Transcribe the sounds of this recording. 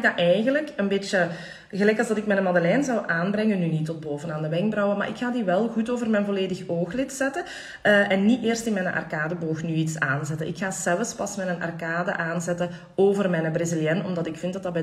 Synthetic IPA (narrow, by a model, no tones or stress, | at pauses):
ɪɡdaʔɛjɣənləkənbeːt͡ʃə | ɣəlɛjkɑlˠzdɑtɪkmɛnəmɑdəlɛːnzɑwʔaːnbrɛŋənːynitɔd̚boːvənaːndəʋɛŋɡ̚brɔwəma̰ːɾʔɪkxaːdiʋɛlˠɣutoːvərmɛnvɔleːdəxoːxlɪtsɛtə | əʔɛnːieːrstɪnmɛnənʔɑ̰rkaːdəboːxnyitsa̰ːnzɛtəʔɪ̰kxaːsɛlˠəspɑsmɛtənɑ̰rkaːdə̰ʔaːnzɛtə | oːvərmɛjnəbrezɪljɛnɔ̰mdɑtɪkfɪntdɑtdɑbɛ